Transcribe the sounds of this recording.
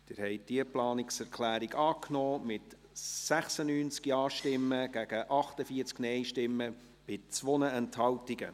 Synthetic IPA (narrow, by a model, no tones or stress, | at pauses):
d̥ɪɾhɛɪd̥iəplɑːnɪksɛɾkʰlæːɾiɡɑːkʰnoːmɪt | sæχsənyːnt͡skjɑːʃtɪmːəɡ̥æɡ̥əʔɑχtəfiəɾt͡sknɛɪʃtɪmːə | b̥ɪt͡sʋɔnəɛnthɑltiɡə̰